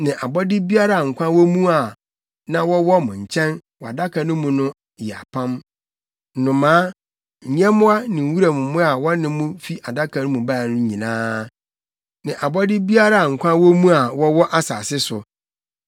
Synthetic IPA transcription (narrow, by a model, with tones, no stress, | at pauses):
nɪ̃˨ʔa˨bɔ˦dɪ˦bi˦a˦ɾa˨a˨ŋ̩˨kʷʰã˦wɔ˦mũ˦a˨ | nã˦wɔ˦wɔ˦mʊ̃˨ɲ̩˨t͡ɕʰɛ̃˦nwɔ˨a˨da˦kʰa˨nʊ̃˦mũ˨nʊ̃˦ | jɛ˨a̰˨pʰã˦m | n̩˨nʊ̃˨mãː˦ | ɲ̩˨ɲɛ̃˦mʊ̃˦a˦nɪ̃˨m̩˨wu˦ɾa˨mʊ̃˨mʊ̃˦a˨wɔ˦nɪ̃˦mũ˦fi˦ʔa˨da˦kʰa˨nʊ̃˦mũ˨ba˦˨nʊ̃˦ɲĩ˨nãː˦ | nɪ̃˨ʔa˨bɔ˦dɪ˦bi˦a˦ɾa˦˨a˨ŋ̩˨kʷʰã˦wɔ˦mũ˦a˨wɔ˦wɔ˦ʔa˦sa̰ː˨sɪ˦sʊ˨